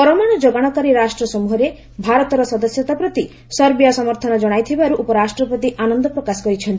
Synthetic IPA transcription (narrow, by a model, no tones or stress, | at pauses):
pɔɾɔmaɽ̃ɔd͡ʒoɡaɽ̃ɔkaɾiɾasʈɾɔsɔmuɦɔɾe | bʱaɾɔt̪ɔɾɔsɔd̪ɔsjɔt̪apɾɔt̪i | sɔɾbijasɔmɔɾt̪ʰɔnɔd͡ʒɔɽ̃ajt̪ʰibaɾuʔupɔɾasʈɾɔpɔt̪iʔanɔnd̪ɔpɾɔkasɔ̥kɔɾit͡ʃʰɔnt̪i